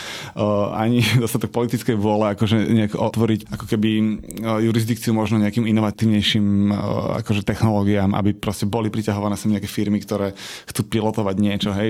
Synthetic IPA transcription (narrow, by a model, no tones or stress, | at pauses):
ʔa̰ɲid̪ɔst̪at̪ɔk̚pɔlit̪it͡skɛjʋʊɔlɛakɔʒɛɲɛakɔʔɔt̪ʋɔɾicakɔkɛbijuɾizd̪ikt͡siumɔʒnɔɲɛakiːminɔʋat̪iːʊɲɛjʃima̰kɔʒɛt̪ɛxnɔlɔːɡiaːma̰bipɾɔscɛbɔlipɾicaɦɔʋanɛːsamɲɛakɛfiɾmikt̪ɔɾɛːxt͡supilɔt̪ɔʋaɟɲɪɛt͡ʃɔɦɛj